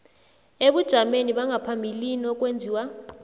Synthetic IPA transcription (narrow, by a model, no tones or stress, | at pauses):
eɓud̥ʒ̥ʱameniɓaŋʱapʰambʱiliniɔk̬ʼwend͡zʱiːwa